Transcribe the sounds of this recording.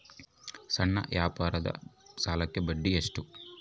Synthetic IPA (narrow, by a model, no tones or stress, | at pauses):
sɐɳːɐ̰ʋjaːpaːɾɐd̪ɐ̰saːlɐkːe̞bɐɖːieʂʈu